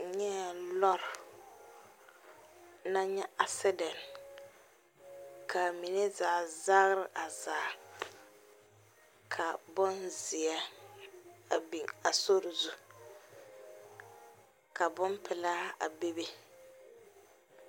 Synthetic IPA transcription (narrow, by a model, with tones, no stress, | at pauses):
ɲɛ˦˨lɔ˦ɾ | na˦ɲɛ˦a˨sɛ˦dɛ˨n | ka˨mi˨nɛ˦zaː˨za˦ɣɾɪ˨ʔa˨zaː˨ | kʰa˨bɔ˦nzi˨ɛ˦ | a˨bi˨ŋa˨so˦ɾɪ˨zu˦ | ka˨bʊ˦m˦pʰɪ˨laː˦a̰˨be˦be˦